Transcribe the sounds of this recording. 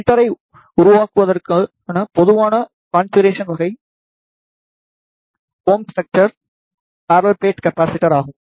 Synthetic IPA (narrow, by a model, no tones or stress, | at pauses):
ʈːɐɾɐɪ | ʊɾʊʋaːkɯʋɐðɐɾka | nɐpɔðɯʋaːnɐ | kaːnsɪɾeːʂɐnʋɐɣɐɪ | hoːmsɛk̚ʈɐɾ | paːɾɐlpleːʈkɐpːaːsɪʈːɐɾaːɣɯm